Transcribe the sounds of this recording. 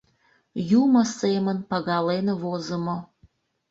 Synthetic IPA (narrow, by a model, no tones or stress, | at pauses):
juməsemənpɑɣɑleneβozəmo